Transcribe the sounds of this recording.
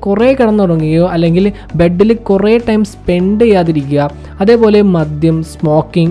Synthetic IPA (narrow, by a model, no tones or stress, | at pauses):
kureːkɐɽɐnːɐpɐɳŋːiɣɐjoːʔɐlːeŋɡil | be̞ɖːilkureːʈːɐjmspe̞ɳɖejːaːðiɾikʲːuɣɐ | ɐðe̞ːpo̞ːle̞mɐd̪jɐmsmo̞ːkːiŋ